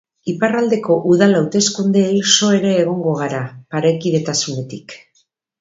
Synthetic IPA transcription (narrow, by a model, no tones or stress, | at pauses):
iparald̪e̞ko̞ʔuð̞alawt̪e̞skund̪elso̞e̞ɾe̞ːɣ̞o̞ŋɡo̞ɣ̞aɾapaɾekiðe̞t̪asune̞t̪ik